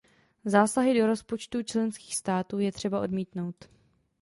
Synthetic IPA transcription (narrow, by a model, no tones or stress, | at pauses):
zaːsaɦɪdo̞ɾo̞spo̞t͡ʃt̪ut͡ʃlɛnski̥ːxst̪aːt̪uːjɛt̪r̝̥ɛbaʔo̞̰dmiːt̪no̞wt̪